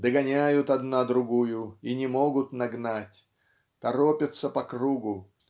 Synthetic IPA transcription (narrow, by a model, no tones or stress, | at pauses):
d̪əɡɐnʲæjʊt̪ɐd̪nad̪ɾʊɡujʊinʲɪmo̞ɡʊt̪nɐɡnatʲ | t̪ɐɾopʲɪt̪səpɐkɾuɡʊ